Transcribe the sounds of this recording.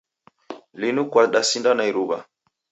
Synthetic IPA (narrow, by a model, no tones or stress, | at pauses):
linukwaɗasindanaiɾuɓa̰